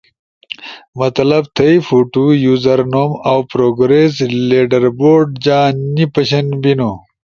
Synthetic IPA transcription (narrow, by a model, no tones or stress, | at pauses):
mɐt̪lɐb̚t̪ʰɐifuʈujuːzɐɾnoːmawpɾoːɡɾeːs̬leːɖɐɾboːɾɖd͡ʑaːnnipɐɕɐnbinu